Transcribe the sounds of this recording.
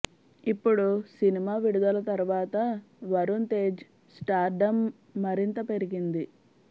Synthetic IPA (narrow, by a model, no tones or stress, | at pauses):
ipːuɽusinimaːʋiɽud̪ɐlɐt̪ɐɾuʋaːt̪ɐ | ʋɐɾunt̪e̞ːd͡ʒ | sʈaːɾɖɐmː | ɐɾint̪ɐpe̞ɾiɡind̪i